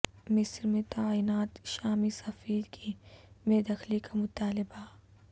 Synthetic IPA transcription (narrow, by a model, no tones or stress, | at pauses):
mɪsɾmẽt̪aːiːnaːt̪ʃaːmisɐfiːd̪kʰimeːd̪ɐxlikamʊt̪aːlɪba